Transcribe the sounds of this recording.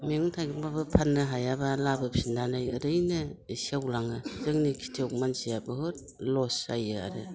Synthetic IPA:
miŋtʰaɡibabɯpʰanːɯɦajabalabɯp̚sindanajɯɾɯjnɯisiawlaŋɯzɯŋnikʰi̥tʰiɔkmansijabɯhɯɾ | lɔsajɯa̰ɾɯ

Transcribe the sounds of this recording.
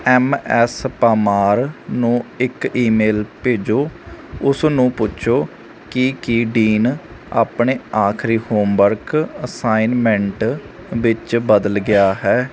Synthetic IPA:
ɛːmɛːspaːmaːɾnũːɪkiːmeːlpeːd͡ʒoːʊsnũːpʊʃʰoː | kɪkiɖiːna̰ːpɳeːaːkʰɾiːhoːmʋəɾkəsaːinmɛ̃ɳʈ | ʋɪt͡ʃbəd̪əlɡɪjaːɦɛː

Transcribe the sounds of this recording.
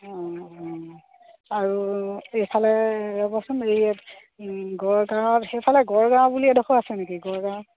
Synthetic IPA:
ɔ̃ | aɹuepʰalɛɹɔbɔsuneɹiɛt | ɡɔɹɡãwtxepʰalɛɡɔɹɡãbuliɛdɔxoasɛnekiɡɔɹɡã

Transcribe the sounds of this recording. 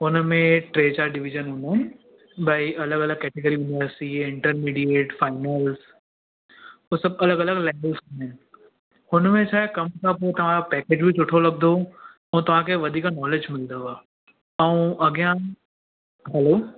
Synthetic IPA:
ʊnmẽʈɾeːd͡ʒaɾɖɪʋɪʒənɦʊ̃nd̪en | baːiɐləɡɐləɡ̚kɛːʈɪkəljuːnɪʋəɾsʈiɪ̃ɳʈəɾmiːɖieːʈfaːɪnəls | ɦosɐbɐləɡɐləɡlɛːʋəlsɦʊ̃nɪn | ʊnmẽt͡ʃʰaːɦekɐmkapot̪ɐʋ̤ãɾpɛːkeːd͡ʒbʱit͡ʃʊʈʰolɐɡ̚d̪ʱo | ɐ̃ũt̪ɐʋ̤ãkʰeʋɐd̪ʱiːknɔːled͡ʒmɪld̪oʋaː | ɐũɐɡijã | ɦɛloː

